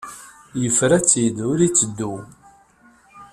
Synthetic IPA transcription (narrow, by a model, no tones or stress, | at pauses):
jəfɾæt͡sːid̪ʊɾit͡sːəd̪ːu